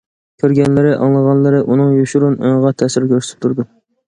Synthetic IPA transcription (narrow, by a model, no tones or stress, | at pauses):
kʲʰøɾɡʲɛnlɪɾɪʔɑ̰ŋlˠəʁɑnlˠɨɾɪʔunɨŋjuʃuɾunoŋʁɑt̪ʰɛsɪɾkʲøɾst̪ʰɪ̥p̚t̪ʰuɾd̪u